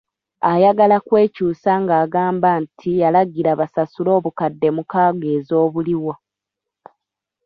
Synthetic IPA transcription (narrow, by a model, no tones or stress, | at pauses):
ajaɡalakwe̞ːcuːsaŋɡaːɡaːmbaːntʰijalaɡiɾaβasasulo̞ːβukadːe̞mukaːɡeːzo̞ːβuliwa